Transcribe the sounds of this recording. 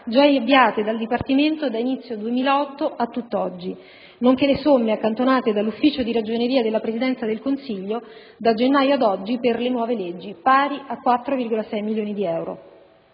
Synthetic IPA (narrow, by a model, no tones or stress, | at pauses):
d͡ʒaabːjaːt̪ed̪ald̪ipart̪iment̪od̪ainit̪sːjod̪uemiːlaɔt̪ːoʔat̪ːut̪ːɔd͡ʒːi | noŋk̟elesomːeakːant̪onaːt̪ed̪alːufːiːt͡ʃod̪iɾad͡ʒoneɾiːad̪elːapɾezid̪ɛnt̪sad̪elkonsiʎːo | d̪ad͡ʒenːaːjoad̪ɔd͡ʒːiperlenwɔːveled͡ʒːipaːɾiʔakːwat̪ːɾovirɡolasɛjmiljoːnid̪iɛwɾo̰